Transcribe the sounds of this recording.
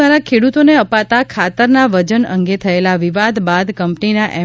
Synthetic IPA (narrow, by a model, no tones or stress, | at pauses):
aɾakʰeɽut̪oneəpat̪akʰat̪əɾnaʋəd͡ʒənə̰ŋɡet̪ʰəelaʋiʋad̪bad̪kəmpninaʔɛ